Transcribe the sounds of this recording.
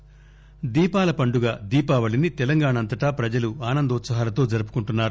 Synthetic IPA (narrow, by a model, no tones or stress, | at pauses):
d̪iːpaːlɐpɐɳɖuɡaːd̪iːpaːʋɐɭinit̪ɛlɐŋɡaːɳɐnt̪ɐʈaːpɾɐd͡ʒɐluaːnɐnd̪ɐut̪sɐɦaːlɐt̪o̞ːd͡ʒɐɾup̬u̥kuɳʈunːaːɾu